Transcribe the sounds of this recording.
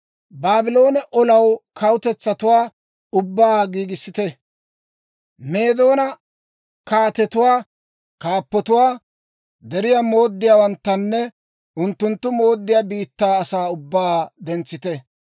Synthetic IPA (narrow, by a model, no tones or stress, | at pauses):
baːbɪlo̞ːnɛʔɔlɐwkʰɐwʊt̪ɛt͡sːɐt̪ʊwaː | ʊbːaːɡiːɡɪsːɪt̪ɛ | me̞ːd̪o̞ːnɐ | kaːt̪ɛt̪ʊwaː | kaːpːɔt̪ʊwaː | d̪ɛɾɪjamo̞ːd̪ːɪjaːwɐnt̪ːɐnːɛ | ʔʊnt̪ːʊnt̪ːʊmo̞ːd̪ːɪjaːbiːt̪ːaːɐsaːʊbːaːd̪ɛnt͡sːɪt̪ɛ